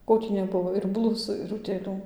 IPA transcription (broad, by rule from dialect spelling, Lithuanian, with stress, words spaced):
ˈkoː tʲiː nʲɛˈbʊʋoː ɪr ˈblˠʊsuː ɪr ʊtʲeːˈlʲuː